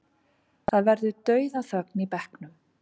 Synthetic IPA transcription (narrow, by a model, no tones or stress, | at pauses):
θaðvɛɾðʏt̪œːɥðaθœknipɛhknʏm